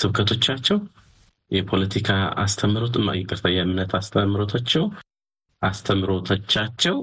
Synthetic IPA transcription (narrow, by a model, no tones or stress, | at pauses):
tʰɨβkʰət̪ʰo̞t͡ʃːat͡ʃːɛw | jɛpʰo̞lət̪ʰikʰaa̰st̪ʰəmɾot̪ɨa̰jɛkʼɨɾt̪ʰəjamɨnːət̪ʰast̪ʰəmːɾo̞t̪ʰat͡ʃːɛw | ʔast̪ʰəmɾo̞t̪ʰət͡ʃːat͡ʃːɛw